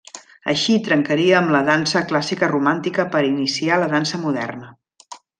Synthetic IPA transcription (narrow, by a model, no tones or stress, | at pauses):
ə̰ʃit̪ɾəŋkəɾiəːmləðansəklasikərumant̪ikəpəɾinisialəðansəmuðɛ̰rnə